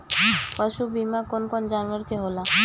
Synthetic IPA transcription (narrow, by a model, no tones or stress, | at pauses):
paʃubimakonkond͡ʑanʋəɾkeɦola